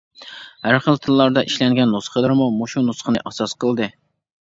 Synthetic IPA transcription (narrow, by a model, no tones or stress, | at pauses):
hæɾχəlˠt̪ʰɨlˠːɑɾd̪ɑʔiʃlɛŋɡʲɛnːosχəlˠɨɾmumoʃunusχənɨʔɑsɑsqəlˠd̪ɨ